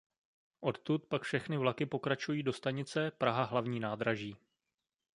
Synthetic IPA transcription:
ʔo̞t̪t̪ut̪pakfʃɛxnɪvlakɪpo̞kɾat͡ʃujiːdo̞st̪aɲɪt͡sɛpɾaɦaɦlavɲiːnaːd̪ɾaʒiː

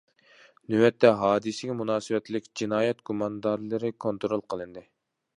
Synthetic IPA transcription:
nywɛt̪ʰːɛɦɑːd̪ɨsɪɡʲɛmunɑːsɨwɛt̪lɪkʲd͡ʒinɑːjɛt̪ɡ̥umɑnd̪ɑɾlˠɨɾɨkʰont̪ɾolˠqʰəlˠɨnd̪ɨ

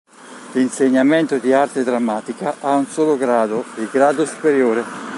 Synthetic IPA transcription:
linseɲːamɛnt̪ʊd̪iart̪ed̪ɾamːaːt̪ikaʔaunsoːloɡɾaːd̪oɪɡɾaːd̪ʊsu̥peɾjoːɾe

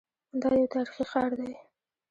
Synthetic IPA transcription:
d̪ɑjət̪ɑɾixixɑɾd̪aj

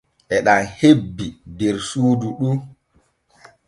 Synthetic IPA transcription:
ʔɛɗanhebːidɛɾsuːduɗu

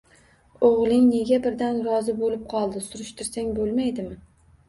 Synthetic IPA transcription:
oʁlˠɪŋne̞ɡʲabɪɾd̪anɾɒzɪbolɪp̚qʰɒlˠd̪ɪsʊɾʊʃt̪ʰɪɾsaŋbolˠmajd̪ɪmɪ

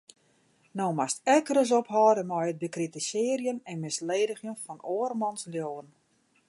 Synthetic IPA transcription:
noːmastɛkəɾəs̬ophɔːdəmɔjət̚bəkritəsɪərjənɛnmɪsleːdəxjənfɔnoərmɔnsljoːən

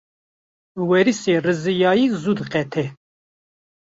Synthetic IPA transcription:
wɛɾiseːrɨzɨjɑːjiːzud̪ɨqɛt̪ʰɛ

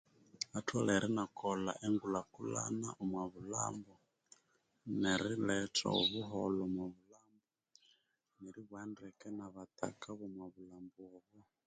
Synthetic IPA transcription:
atʰwalɛɾinakɔla̰ʔɛŋɡulakula̰na̰ʔumwaβula̰mbɔ | nɛɾilɛtɔ̰ɔβuɦɔlɔmwaβulambɔ | nɛɾiβwandɛkɛnaβat̪a̰kaβumwaβulambɔβɔ

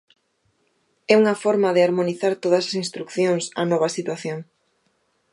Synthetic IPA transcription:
ɛuŋɐfɔɾmɐðɪaɾmoniθaɾt̪oðɐsḁsĩnst̪ɾukθjoŋsɐ̰nɔβ̞ɐsit̪waθjoŋ

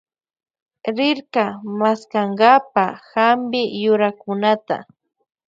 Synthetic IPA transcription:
ɾɪɾkamaskaŋɡapaxambɪjʊɾakʊnat̪a̰

